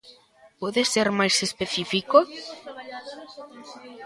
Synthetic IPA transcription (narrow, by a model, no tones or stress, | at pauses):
pɔðeseɾmajsespeθifiko